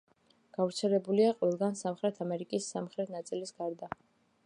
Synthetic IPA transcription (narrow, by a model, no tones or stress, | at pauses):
ɡ̥avɾt̪sʰɛlɛbuliaqʼɔvɛlˠɡansamχɾɛt̪ʰamɛɾikʼisːamχɾɛt̪ʰnat̪sʼilisɡ̥aɾd̪a